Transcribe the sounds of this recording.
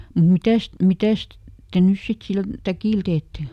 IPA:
nim mitæst mitæst te nys sit sil tækiˑl teːtːe

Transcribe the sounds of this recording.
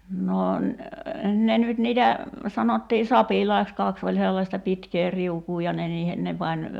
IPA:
no n ne nyt niːtæ sɑnotːiː sɑpilɑiks kɑks olʲ selːɑstɑ pitkeː riukuː jɑ ne niːhe ne pɑnʲ

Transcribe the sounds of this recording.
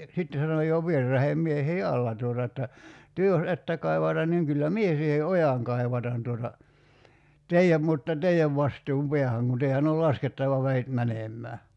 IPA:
sitːe sɑnoj̆ jo ʋierːɑheːm miehiː ɑlːɑ tuotɑ etːæ tyø jos etːæ kɑi̞ʋɑtɑn niŋ kylːæ mie siːhe ojɑŋ kɑi̞ʋɑtɑn tuotɑ teiæm mutːɑ teiæʋ ʋɑstuːm peæhæŋ kun teiæn ol lɑsketːɑʋɑ ʋeit mænemˑæː

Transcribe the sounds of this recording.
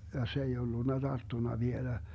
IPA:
jɑ se ei olːunːɑ d̥ɑrtːunɑ ʋielæ

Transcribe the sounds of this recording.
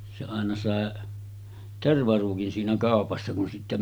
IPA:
se ɑˑenɑ sɑˑe terʋɑruːkin siːnæ kɑˑopɑsːɑ kun sitːæ

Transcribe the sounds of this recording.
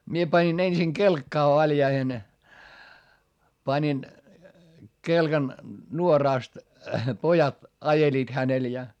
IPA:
mie pɑnʲin ensiŋ kelkːɑː ʋɑljɑihen pɑnʲin kelkɑn nuorɑˑst pojɑt ɑjeliːt hænel jɑ

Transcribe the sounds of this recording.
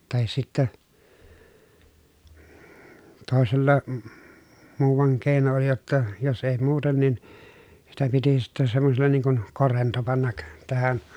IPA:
tɑhis sitːæ toˑeselːɑ muːʋɑŋ keˑi̯no oli jotːɑ jos ei muːten nin sitæ piti sitːɛ sɑmːoselːɑ niːŋ kun korento pɑnːɑk tæhæn

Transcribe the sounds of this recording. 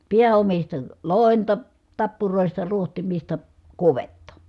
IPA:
piæomistɑ loˑentɑ tɑpːuroˑistɑ ruohtimistɑ kuʋetːɑ

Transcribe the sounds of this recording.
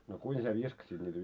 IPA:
no kuin sie ʋiskɑsit niːtæ

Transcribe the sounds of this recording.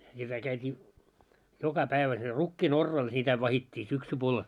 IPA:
jɑ kæ kæytʲiː jokɑ pæiʋæ siel rukːiːn orːɑːl sitæ ʋɑhitʲːiː syksupuol

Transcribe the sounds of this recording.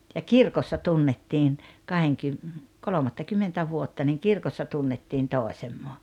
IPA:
jɑ kirkosːɑ tunːetːiːn kɑheŋkym kolomɑtːɑkymːentæ ʋuotːɑ niŋ kirkosːɑ tunːetːiːn toˑesemːo

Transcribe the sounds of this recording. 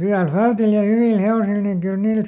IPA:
hyæl fæltil jɑ hyʋiˑl heosil niŋ kyl niːl

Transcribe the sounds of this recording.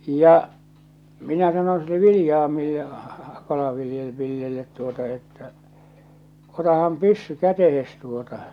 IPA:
jɑ minæ sɑnon̞ silːe ʋilĭjɑːmilːe kɑlɑʋilje ʋilːelːet tuotɑ etːæ otɑhɑm pysːy kætehes tuotɑ

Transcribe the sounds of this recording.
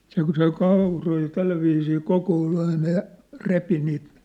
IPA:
se kŭ søi kɑˑuroi jɑ tælːæʋiːsiː kokoːl ɑinɑ jɑ repi niːt

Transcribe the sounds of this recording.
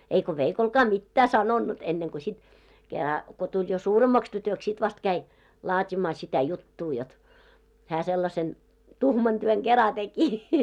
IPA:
eiko ʋeikolkɑː mitːæː sɑnonːut enːeŋko sit kerɑ ko tulʲ jo suːremːɑks tytøks sit ʋɑst kæi lɑːtʲimɑː sitæ jutːuː jot hæː selːɑsen tuhmɑn tyøŋ ɡ̊erɑ teki

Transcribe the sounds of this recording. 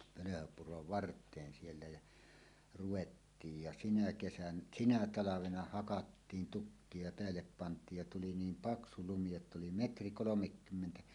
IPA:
pøløhøpuroʋ ʋɑrtˑeːn sielːæ jæ ruwetːiːj jɑ sinæ kesæn sinæ tɑlɑʋenɑ hɑkɑtːiːn tukːie jɑ peælːep pɑntˑiːj jɑ tuli niːm pɑksu lumi jotː oli metri kolomekːymːentæ

